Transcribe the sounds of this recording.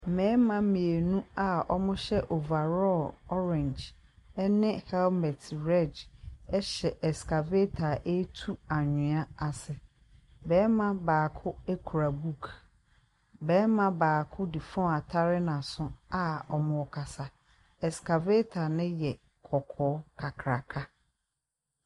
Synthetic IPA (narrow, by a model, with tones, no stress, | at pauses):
m̩˨mɛ̃˨˦mã˦mĩ˨e˨nũ˦a˨ɔ̰˦mʊ̃˦ɕɛ˦ʔo˨va˨ɾɔ˦˨lɔ˦ɾɛ̃˨nd͡ʒ | ɛ˦nɪ̃˦hɛ˦lmɛ˨tʰɾɛ˦˨d͡ʒɛ˦ɕɛ˨ʔɛ˨ska˨ve˦tʰa˨ʔe˦tʰu˦a˨ɲɪ̃˨a˦a˨sɪ˨ | bɛː˨˦mã˦baː˨kʰʊ˦e˦kʰu˨ɾa˨bu˦kʰ | bɛː˨˦mã˨baː˨kʰʊ˦di˨fɔ̃˦˨a˨tʰa˦ɾɪ˦nã˨sʊ̃˦a˨ɔ˨mʊ̃˨ɔ˨kʰa˨sa˨ | ɛ˨ska˨ve˦tʰa˨nɪ̃˦jɛ˨ | kʰɔ˨kʰɔː˨˦kʰa˨kʰɾa˨kʰa˦